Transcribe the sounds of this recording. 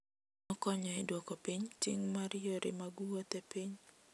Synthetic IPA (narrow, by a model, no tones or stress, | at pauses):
nɔkɔɲɔɪdwokopiɲtiŋmaɾɪjoɾɪ̰maɡuwot̪epiɲ